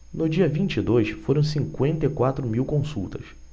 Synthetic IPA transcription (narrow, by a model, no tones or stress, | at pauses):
nʊd͡ʒiɐvĩnt͡ʃid̪ojsfoɾɐ̃w̃sĩŋkwẽnt̪ejkwat̪ɾʊmiwkõsṵwt̪ɐs